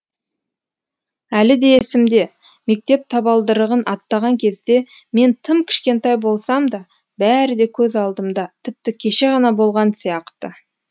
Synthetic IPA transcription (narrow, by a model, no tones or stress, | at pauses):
ælɪd̪e̞ːsɪmd̪e̞ | me̞k̚t̪e̞p̚t̪ʰɑbɑlˠd̪əɾəʁənʔɑt̪ːɑʁɑŋkʲʰe̞zd̪e̞ | me̞nt̪ʰɪmkʲʰɪ̥ʃkʲe̞nt̪ɑjbo̞lˠsɑmd̪ɑ | bæɾɪd̪e̞kʲʰɵzɑlˠd̪əmd̪ɑt̪ʰɪp̚t̪ɪkʲʰe̞ʃe̞ʁɑnɑbo̞lˠʁɑnsijɑqt̪ə